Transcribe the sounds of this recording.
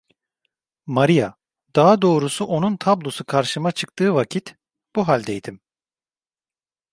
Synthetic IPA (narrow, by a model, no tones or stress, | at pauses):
maɾija | d̪̥aɦad̪o̞ːɾusuʔo̞nunt̪ʰablˠo̞sukʰaɾʃɯmat͡ʃʰɯkt̪ʰɯːvacʰit̪ | b̥uɦalʲd̪ɛjd̪im